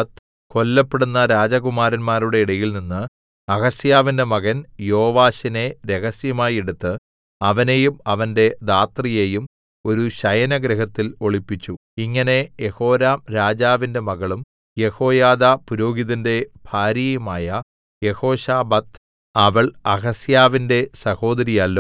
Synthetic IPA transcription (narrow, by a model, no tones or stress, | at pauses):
t̪ | ko̞lːɐpːeɽunːɐɾaːd͡ʑɐɣumaːɾɐnmaːruɽe̞iɽɐjilninːɨ | ɐɣɐsjaːʋinde̞mɐɣɐnjoːʋaːɕine̞ɾe̞ɣɐsjɐmaːjeɽut̪ːɨ | ɐʋɐne̞jumɐʋɐnde̞d̪aːt̪rijejum | o̞ɾuɕɐjɐnɐɡɾɐɦɐt̪ːilo̞ɭipːit͡ɕːu | iŋːɐne̞je̞ho̞ːɾaːmɾaːd͡ʑaːʋinde̞mɐɣɐɭum | je̞ho̞ːjaːðapuɾo̞ːɡiðinde̞b̥ʱaːɾijɐmaːjɐ | je̞ho̞ːɕaːbɐt̪ | ɐʋɐɭɐɣɐsjaːʋinde̞sɐho̞ːd̪ɐɾijɐlːo